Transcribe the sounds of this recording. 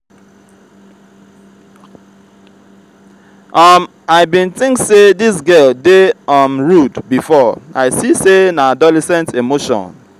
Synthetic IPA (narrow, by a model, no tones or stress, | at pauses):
ʔʌm | aɪbĩnθɪ̃ŋksedisɡɛldeʌmɹudbifɔaɪsisenaadɔlɛsɛ̃ntemoʃɔ̰̃n